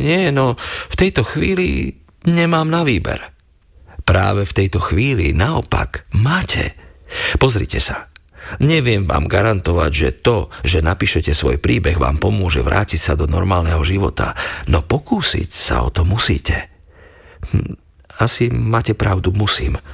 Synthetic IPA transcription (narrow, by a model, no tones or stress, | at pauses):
ɲɪɛnɔft̪ɛjt̪ɔxʋḭːlḭ | ɲɛmaːmnaʋiːbɛ̰ɾ | pɾa̰ːʋɛft̪ɛjt̪ɔxʋiːlinaɔpa̰ɡmaːcʰɛ̰ | pɔzɾḭcɛsaɲɛʋɪɛmʋa̰ːmɡaɾant̪ɔʋaɟʒɛ̰t̪ɔʒɛnapiːʃɛcɛsʋɔjpɾiːbɛɣʋa̰ːmpɔmʊɔʒɛʋɾʔa̰ːcicsad̪ɔnɔɾmaːlnɛɦɔʒiʋɔt̪a̰nɔpɔkuːsḭcsa̰ɔ̰t̪ɔmusḭːcɛ | m̩ | asimaːcɛpɾaʊd̪umusḭːm